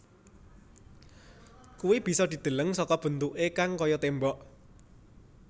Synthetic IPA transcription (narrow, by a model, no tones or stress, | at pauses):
kuwib̥i̤sɔd̪i̤d̪̥ə̤ləŋsɔkɔb̥ə̤nt̪uʔekaŋkɔjɔt̪embɔʔ